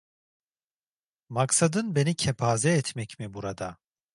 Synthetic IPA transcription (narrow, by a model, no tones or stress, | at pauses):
maksad̪ɯnbe̞nicʰɛpʰaːzɛːt̪ʰmɛcmibuɾad̪a